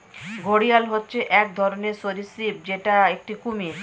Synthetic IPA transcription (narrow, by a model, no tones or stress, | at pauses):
ɡʱoɽijalɦotːɕʰeʔɛk̚d̪ʱɔɾoneɾsoɾisip̚d͡ʑeʈaek̚ʈikumi